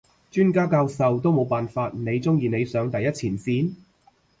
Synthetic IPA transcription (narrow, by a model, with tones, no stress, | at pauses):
t͡ʃyː˥nkaː˥kaː˧wsɐ˨wt̪o˥wmo˨˧wpaː˨nfaː˧t̚ne˨˧jt͡sʊ˥ŋjiː˨ne˨˧jsœː˨˧ŋt̪ɐ˨jːɐ˥t̚t͡sʰiː˨˩nsiː˨˥n